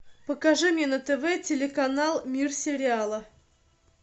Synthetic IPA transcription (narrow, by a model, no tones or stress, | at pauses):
pəkɐʐɨmʲenət̪əvɛtʲɪlʲɪkɐnalˠmʲirsʲɪɾʲɪalˠə